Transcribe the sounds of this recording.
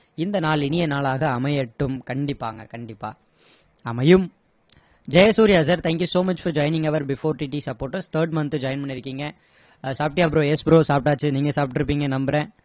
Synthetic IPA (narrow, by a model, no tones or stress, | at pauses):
ɪnd̪ɐnaːlɪnɪjɐnaːlaːɣɐːmɐjɐʈːɯmkɐɳɖɪpːa̰ːŋɡɐ̰kɐɳɖɪpːa̰ː | ɐmɐjɯm | d͡ʒɐjɐsuːɾɪɐs̬ɐɾt̪ʰæːŋkjusoːmɐt͡ʃfɐɾd͡ʒɔːɪnɪ̃ŋɡɐʋɐɾbɪfoːɾʈiːʈiːsɐpːoːʈːɐst̪ʰəːɾɖmɐnt̪ɯd͡ʒɔːjɪnpɐɳːɪɾɯkːiːŋɡɐ | saːp̚ʈijaːpːɾõespɪɾoːsaːp̚ʈaːt͡ʃːɯniːŋɡɐsaːp̚ʈːɪɾɯpːiːŋɡɐnɐmbɪɾẽː